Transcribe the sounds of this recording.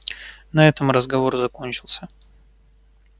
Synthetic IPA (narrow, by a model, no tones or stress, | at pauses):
nɐɛt̪əmrəzɡɐvo̞rzɐko̞nʲt͡ɕɪlˠsʲə